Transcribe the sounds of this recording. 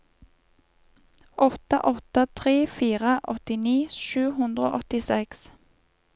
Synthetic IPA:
ʔɔt̪ə̰ʔɔt̪ət̪ʰʁeːfiːʁəʔɔt̪ɪniːʃʉːhʉnd̪ʁo̰ːʔɔt̪ɪsɛks

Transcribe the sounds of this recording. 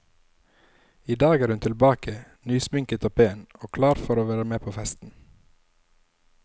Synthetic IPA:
iːd̪ɑːɡæːɾhʉnt̪ʰɪlbɑːkənyːsmʏŋkət̪oːpʰeːənoːkʰlɑːɾfɔɾoːʋæːɾəmeːpʰoːfɛst̪n̩

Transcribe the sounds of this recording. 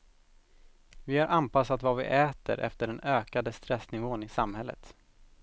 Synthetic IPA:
vɪhaɾʔanpasːat̪vavɪ̰ʔɛːt̪ə̰ɾʔɛ̰ft̪əɖɛnøːkad̪əst̪ɾɛsnɪvoːnɪsamhɛlːə̰t̪

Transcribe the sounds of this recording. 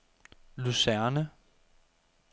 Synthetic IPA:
lusæɐnə

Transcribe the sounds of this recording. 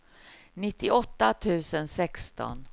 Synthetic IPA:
nɪt̪ʰːɪɔt̪ːat̪ʰʉ̟ːsənsɛkst̪ɔ̰n

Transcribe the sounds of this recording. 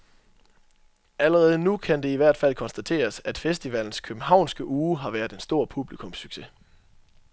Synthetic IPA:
æləʁɛːð̞̩ˠnukʰænd̥e̝iʋæɐ̰d̥fæl̰kʰɒ̽nsd̥æt͡sʰe̝̰ːɐsæd̥fesd̥iʋæl̰n̩skʰøb̥m̩ɦɑ̈ʊ̰nsɡ̥əʔuːɦɑ̈ʋæːɐðˠe̝nsd̥o̝ɐ̰pʰub̥likʰɔ̽msyɡ̥se̝

